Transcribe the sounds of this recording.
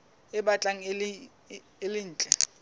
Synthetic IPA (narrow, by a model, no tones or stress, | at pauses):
ɪbat͡ɬʼaŋ̩l | ɪlɪn̩ːt͡ɬʼɛ